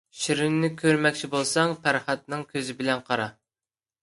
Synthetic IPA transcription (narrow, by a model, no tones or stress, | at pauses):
ʃiɾynːɪkʲʰøɾmɛkʲt͡ʃʰibolˠsɑŋpʰæɾχɑt̪̚nɨŋkʲʰøzɪbɪlɛnqʰɑɾɑ